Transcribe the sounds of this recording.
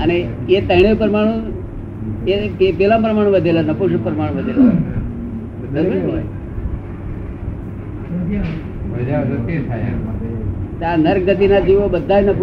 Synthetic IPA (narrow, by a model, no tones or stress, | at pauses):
əne | et̪əɽ̃epəɾmaɽ̃ũ | ekepelãmpɾəmaɽ̃ũʋəd̪ʱelanəpuʃ̬əpəɾmaɽõʋəd̪ʱela | d̪əɾməɳɖɦoj | d͡ʒaket̪ʰaja̰ | t̪anəɾk̚ɡət̪inad͡ʒiʋobəd̪ʱːajnəpu